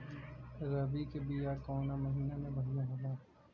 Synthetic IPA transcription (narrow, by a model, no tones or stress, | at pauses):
ɾɐbikebijaːɾkɔːnamɐɦiːnamẽbʱɐɦijãɦolaː